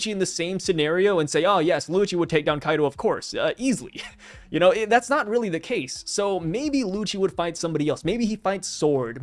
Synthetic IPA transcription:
t͡ʃiɨ̃nðɨsẽɪ̃msɨnɛɹioʊɨ̃nseɪoʊjɛslut͡ʃiwəd̚tʰeɪk̚dãʊ̃nkʰaɪɾoʊʌv̥kʰɔɹsʌʔizl̩ˠḭ | jɨñoʊɪðætsnət̚ɹɪlˠiðɨkʰeɪsːoʊmeɪbilut͡ʃiwəd̥faɪtsʌ̃mbɑɾiɛlˠsmeɪbiifãɪtsɔɹd̥̚

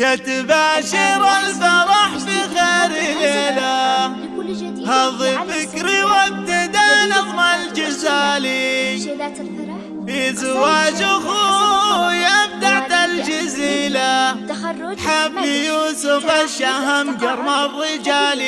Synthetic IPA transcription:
jat̪baːʃɪɾalsɑɾˤɑħbiɣeːɾileːla | hɑðˤifɪkɾiwab̚t̪ɪd̪anɪɣmald͡ʒɪzaːli | fizawaːd͡ʒʊɣu | jabd̪aʕd̪ald͡ʒɪziːla | ħabːijuːsʊfaʃaɦamɡɑɾˤmarˤːɪd͡ʒaːli

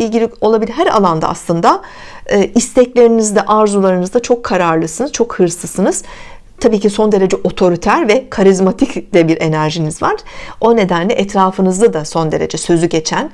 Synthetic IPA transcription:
ilʲɟilʲio̞lˠabilʲɦæɾa̰lˠand̪a̰a̰slˠɯnd̪a | ɯːist̪ʰɛclʲe̞ɾinizd̪ɛʔaɾzulˠaɾɯnɯzd̪at͡ʃʰo̞kʰːaɾaɾlˠɯsɯnɯz̥t͡ʃʰo̞khɯɾsˠɯsɯnɯz̥ | t̪ʰabiːcʰiso̞nd̪e̞ɾe̞d͡ʒɛʔo̞t̪ʰo̞ɾit̪ʰæɾvɛkʰaɾizmat̪ʰicd̪̥ɛbiɾe̞næɾʒinizvaɾ̥o̞ne̞d̪ænlʲɛʔɛt̪ɾaːfɯnɯzd̪ad̪aso̞nd̪e̞ɾe̞̰d͡ʒɛsø̞zyɟe̞t͡ʃʰæn

